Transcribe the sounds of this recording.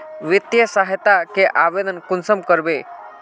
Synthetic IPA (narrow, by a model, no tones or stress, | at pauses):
ʋit̪jəsaɦjt̪akeʔaʋed̪ənkunsəmkəɾbe